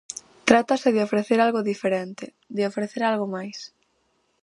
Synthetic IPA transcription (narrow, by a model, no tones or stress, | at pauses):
t̪ɾat̪ɐsɪðɪofɾeθeɾalɣʊðifeɾent̪ɪ | d̪ɪofɾeθeɾalɣomajs